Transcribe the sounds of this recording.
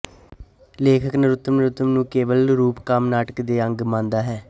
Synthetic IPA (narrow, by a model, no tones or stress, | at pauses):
leːkʰəknəɾʊt̪ːəmnəɾʊt̪əmnũːkeːʋəlɾuːpkəmnaːʈəkd̪eːəŋɡmãːnd̪aːɦɛː